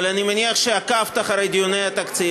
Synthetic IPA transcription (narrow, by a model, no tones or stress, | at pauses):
lanʲimanʲiɐχʃeakaft̪aχaɾejd̪jonejat̪ak̪t͡si